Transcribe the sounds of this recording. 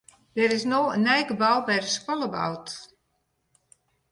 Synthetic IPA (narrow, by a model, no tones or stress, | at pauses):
dɛɾɪsnoːənɛjɡəbawˠbɛjrəskɔlˠəba̰wt